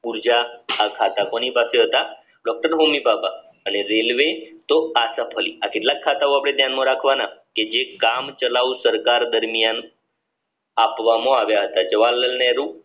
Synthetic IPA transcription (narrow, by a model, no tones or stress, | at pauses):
uɾd͡ʒaːkʰat̪akonipaseɦət̪a | ɖɔk̚ʈəɾɦomibapa | əneɾelʋet̪oasəpʰəlḭakeʈlakʰːat̪aoapɽ̃ed̪ʱjanmõɾakʰʋanaked͡ʒekamt͡ʃəlausəɾkaɾd̪əɾmijan | apʋamõaʋjaɦət̪ad͡ʒəʋalːəlnɛɾu